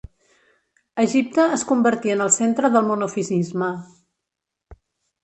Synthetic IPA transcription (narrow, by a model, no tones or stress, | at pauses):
əʒip̚t̪əːskumbəɾt̪iənəlˠsent̪ɾəðəlˠmunufizizmə